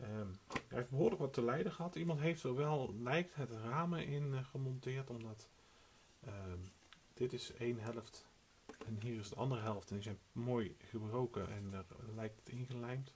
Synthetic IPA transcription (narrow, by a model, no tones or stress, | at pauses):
əa̰ɪfbəɦʊːɹləkʋɑtəlɛjdəχəɦɑtimɑntɦejftəʋɛlˠlɛjk̚tɦətraːməʔɪnχəmɔntɪːɹtɔmdɑt | ə | d̥ɪtɪsejnɦɛlˠəft | ɛnɦiːrɪsdəʔɑndərəɦɛlˠftɛnizɛjnmoːjχəbrowkəʔɛ̰nəɹlɛjk̚tə̥tɪnχəlɛjmt